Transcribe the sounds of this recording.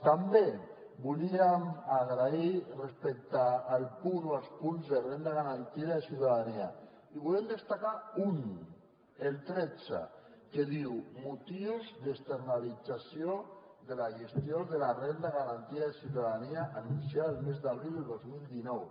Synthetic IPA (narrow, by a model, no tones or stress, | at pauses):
t̪ambe | buliamaɣɾairespek̚t̪aːlpunoalˠspunzðerend̪aɣaɾant̪iaðesiwt̪aðania | iβulemd̪est̪akaun | elt̪ɾed͡za̰ | keðiwmut̪iwzðest̪eɾnalid͡zasjo | ðelaʒest̪joðelarend̪aɣaɾant̪iaðesiuwt̪aðaniaʔanunsiaelmezðaβɾilˠd̪elˠd̪ozmild̪inɔw